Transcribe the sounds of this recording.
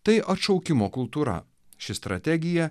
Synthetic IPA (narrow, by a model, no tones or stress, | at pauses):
t̪ɐɪʔɐt̪ʃɒʊkʲɪmoːkʊlˠt̪uːɾɐ̰ | ʃʲɪst̪ɾɐt̪ʲɛɡʲɪjɛ